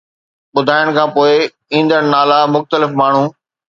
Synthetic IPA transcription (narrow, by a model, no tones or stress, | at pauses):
ɓʊd̪ʱaːɪəɽ̃kʰãːpoːɪ | ĩːn̆d̪əɽ̃naːlamʊxt̪əlɪfmaːɳ̤uː